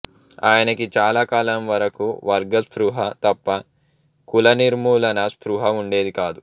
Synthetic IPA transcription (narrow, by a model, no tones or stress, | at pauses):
a̰ːjɐnɐkit͡ʃaːlaːkaːlɐmʋɐɾɐkuʋɐɾɡɐspɾuɦɐt̪ɐpːɐ | kulɐniɾmuːlɐnɐspɾuɦɐuɳɖe̞ːd̪ikaːd̪u